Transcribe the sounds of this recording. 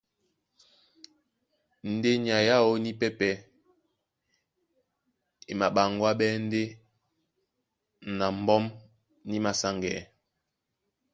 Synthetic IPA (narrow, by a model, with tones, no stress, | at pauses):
n̩˨de˦ɲi˨a˨ja˦o˦ni˦pɛ˦pɛ˨˦ | e˨ma˨ɓa˨ŋɡwa˦ɓɛ˦n̩˦de˦ | na˨m˨˦bɔ˦m | ni˦ma˨sa˦ŋɡɛ˨